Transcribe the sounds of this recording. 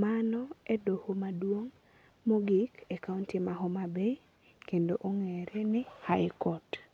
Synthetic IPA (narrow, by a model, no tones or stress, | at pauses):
manɔedohomadwoŋ | moɡɪkekauntimaɦɔmabe | kendoʔoŋeɾenɪhaɪkɔt